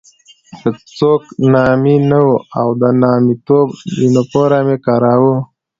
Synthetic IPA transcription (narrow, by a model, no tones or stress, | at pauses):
kət͡soːknɑːminawuawd̪ənɑːmit̪oːbinopoɾamekɑɾaːwu